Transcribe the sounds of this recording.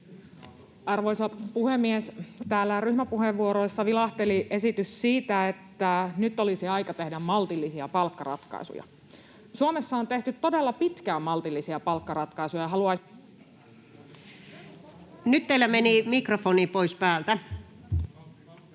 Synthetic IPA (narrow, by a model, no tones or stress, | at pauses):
ɑrʋo̞jsɑpuhemːiest̪æːlːæryhmæpuɦeʋːuoɾoisːɑʋilɑht̪eliʔe̞sit̪yssiːt̪æet̪ːænyt̪ːolisiɑjkɑt̪ehdæmmɑlt̪ilːisiɑpɑlkːɑrɑ̰t̪kɑ̰isṵjɑ̰ | suomesːɑont̪e̞ht̪yt̪ːo̞de̞lːɑpit̪kæːmɑlt̪ilːisiɑpɑlkːɑrɑt̪kɑisujɑɦɑluɑ | nyt̪t̪eilːæmenimikrofoniːpoispæːlt̪æ